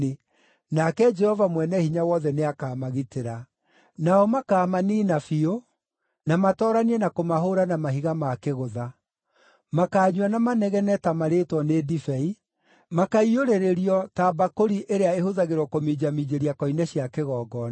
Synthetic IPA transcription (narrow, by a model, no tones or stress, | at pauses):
e | nakɛd͡ʒɛhɔvamwɛnɛhiɲawɔðɛneakaːmaɣiteɾa | naɔmakaːmaniːnafio | namatɔːɾaniɛnakomaɦoɾanamaɦiɣamakeɣoða | makaːɲwanamanɛɣɛnɛtamaɾetwɔnedifɛi | makaioɾeɾeɾiɔtaːbakoɾiʔeɾeaehoðaɣeɾwɔkomid͡ʑamid͡ʑeɾiakɔinɛɕiakeɣɔːɡɔn